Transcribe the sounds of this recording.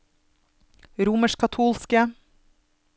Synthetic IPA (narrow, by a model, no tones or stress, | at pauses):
ɾuːməʃkʰɑt̪ʰuːlskə